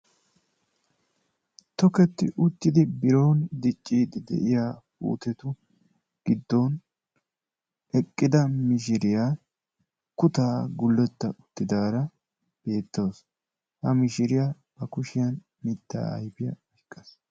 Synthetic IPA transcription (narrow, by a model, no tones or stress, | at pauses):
t̪ɔkɛt̪ːɪ̰ʔʊt̪ːɪd̪ɪbɪɾoːnd̪ɪt͡ʃʼːiːd̪ɪd̪ɛ̰ʔɪjaːpṵːt̪ɛt̪ʊ | ɡ̥ɪd̪ːon | ɛkʼːɪd̪ɐmɪʃ̬ɪɾɪjaː | kʊt̪aːɡʊlːɛt̪ːɐʔʊt̪ːɪd̪aːɾɐ | b̥e̞ːt̪ːoːs | hɐmɪʃɪɾɪja | bɐkʊʃɪjɐn | mɪt̪ːa̰ːɐ̰jbɪjɐ̰ɐkʼːɐs